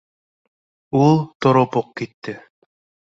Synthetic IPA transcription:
ulˠt̪oɾopoq̚kit̪ːɪ

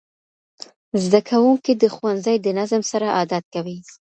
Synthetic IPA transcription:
zd̪akʰawuŋkid̪əxwanzajd̪ənazmsaɾaʔɑd̪at̪̚kawi

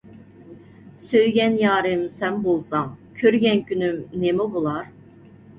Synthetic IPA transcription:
søjɡʲɛnjɑːɾɨmsɛnbolˠsɑŋkʲʰøɾɡʲɛnkʲʰynymnemɛbolˠɑɾ

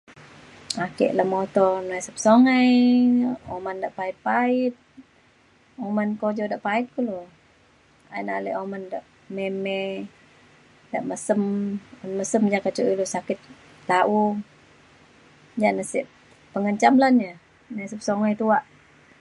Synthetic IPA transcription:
akɛ̰ʔlamot̪ɔnasəp̚soŋaj | omandaʔpait̪̚pait̪̚ | omankod͡ʒɔdaʔpait̪̚kulo | a̰inaleʔomandaʔ | memɛ | daʔməsəmanməsəmd͡ʒakat͡ʃuʔilusakɪt̪̚ | laʔu | d͡ʒanəsḭʔ | pəŋəɲt͡ʃamlanɲə | nasəp̚soŋajt̪uaʔ

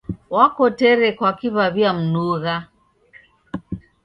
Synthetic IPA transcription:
wakɔtɛɾɛkwakiβaβiam̩nuɣa

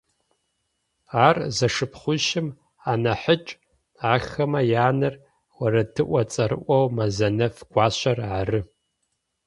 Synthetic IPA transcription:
aːrzɐʂɨpʰχʷʊʃɪm | anɐħət͡ʃʼ | aːxɐmɐjaːnɨr | wɐɾɐtʰɨʔʷɐt͡sʼɐɾɨ̰ʔʷɐwmɐzɐnɐfɡ̥ʷaːɕʷɐrʕarɨ

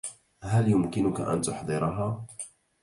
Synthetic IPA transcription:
ɦaljʊmkɪnʊka̰ʔa̰nt̪ʊħd̪ˤɨɾɑɦaː

